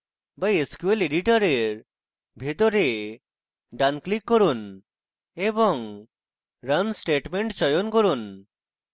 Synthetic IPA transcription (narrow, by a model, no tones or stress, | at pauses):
bajeskueleɖiʈɔɾeɾ | bʱet̪oɾe | ɖanklikːɔɾun | ebɔŋ | ɾansʈeʈmeɳʈt͡ɕɔjonkɔɾun